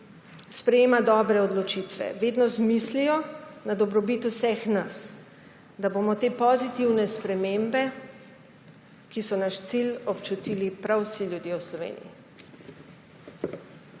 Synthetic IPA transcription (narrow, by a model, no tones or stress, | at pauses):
spɾɛjeːmad̪ɔːbɾɛɔd̪lɔt͡ʃit̪ʋɛ̰ʋeːd̪nɔzmislijɔnad̪ɔbɾɔbit̪usɛxnas | d̪abomɔt̪eːpɔzit̪iwnɛspɾɛmembɛ | kisɔnaʃt̪silɔpt͡ʃut̪iːlipɾawsiljud̪jewslɔʋḛːnḭjḭ